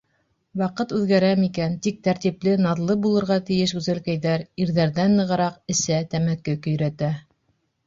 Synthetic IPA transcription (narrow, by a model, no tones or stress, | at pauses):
wɑqɤt̪ʉðɡæɾæmikænt̪ik̚t̪æɾt̪iplɘnɑðlˠɤbulˠɤ̆ɾʁɑt̪ɘ̆jɘʃʉzælkæjðæɾiɾðæɾðænːɤ̆ʁɤ̆ɾɑqɘ̆sæt̪æmækːɘkɵ̆jɾæt̪æ